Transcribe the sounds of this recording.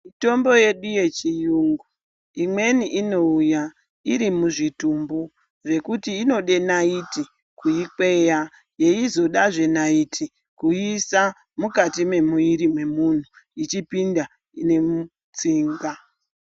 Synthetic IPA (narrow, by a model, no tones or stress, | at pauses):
mito̞mbo̞je̞ɗuje̞t͡ʃijuŋɡu | imwe̞niʔino̞uja | iɾimuʐitumbu | ʐe̞kutiːno̞ɗe̞naiti | kuike̞ja | jeizo̞ɗaʐe̞naitʰi | kuisa | mukatime̞muiɾimwe̞mun̤u | it͡ʃipinda | ine̞mu | t͡siːŋɡa